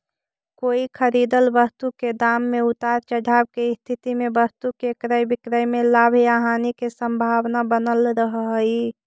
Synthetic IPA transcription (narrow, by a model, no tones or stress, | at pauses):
koːikʰəɾiːd̪əlbəst̪uked̪aːmːẽʊt̪aːɾt͡ʃəɖʱab̚kest̪ʰɪt̪imẽbəst̪ukekɾəjbɪkɾəjmẽlaːbʱjaːɦaːnikesə̃mbʱaːwnabənəlɾəɦɦi